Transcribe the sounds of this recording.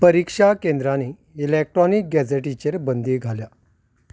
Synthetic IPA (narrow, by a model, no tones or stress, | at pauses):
pəɾikʂakẽnd̪ɾaniː | lek̚ʈɾɔnik̚ɡɛd͡zeʈit͡ɕeɾbənd̪iːɡʱalja